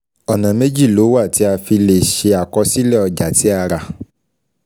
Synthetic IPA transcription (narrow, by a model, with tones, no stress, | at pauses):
ɔ˨nã˨me˦d͡ʒi˦˨lo˨˦wa˦˨ti˨˦a˧fi˧le˨ʃe˧a˨kɔ˧si˦lɛ˦˨ɔ˧d͡ʒa˨ti˨˦a˧ɾa˧